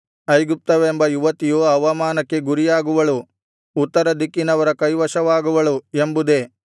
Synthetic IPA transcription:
ɐjɡup̚t̪ɐʋembɐjuʋɐt̪ijuɐʋɐmaːnɐkːe̞ɡuɾijaːɡuʋɐɭu | ut̪ːɐɾɐd̪ikːinɐʋɐɾɐkɐjʋɐʃɐʋaːɡuʋɐɭuembud̪e̞

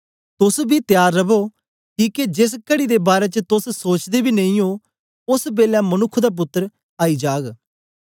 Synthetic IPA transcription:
t̪ʊsbʱiːt̪jaːɾːɐbo | kiːked͡ʒɪs̬kəɽid̪ebaːɾet͡ʃət̪ʊssoːt͡ʃd̪ebʱiːnẽĩo | ʊsbeːlamənʊkʰːd̪aːp̬ʊt̪ːəɾ | aːiːd͡ʒaːɡ

